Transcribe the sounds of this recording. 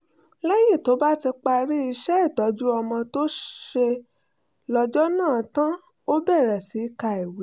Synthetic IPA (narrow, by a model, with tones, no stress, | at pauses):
lɛ˦ji˦˨to˨˦ba˦ti˧k͡pa˧ɾi˦i˧ʃɛ˦i˦˨tɔ˨˦d͡ʒu˦ɔ˧mɔ̃˧to˦ʃe˧ | lɔ˧d͡ʒɔ˦nãː˦˨tã˦ | o˦bɛ˦˨ɾɛ˨si˨˦ka˧i˨we˨˦